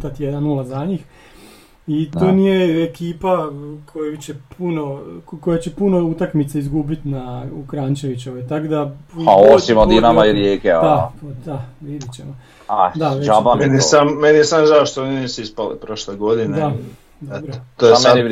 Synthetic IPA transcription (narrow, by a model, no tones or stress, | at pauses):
t̪at̪jed̪annulˠazaɲix | it̪oːnijeekiːpakʰojut͡ɕe̞pʰunokojat͡ɕe̞puno̞ut̪akmit̪seizɡubit̪naukɾaːɲt͡ɕe̞ʋit͡ɕoʋot̪akod̪apuaot͡ʃimod̪inamaiɾjeːkeapod̪aʋid̪it͡ɕemo | ad̪aʋeʒapanenisamːeniesamʒaoʃt̪oninisuispalḭpɾoʃleɡod̪ined̪a | d̪bɾot̪oeammni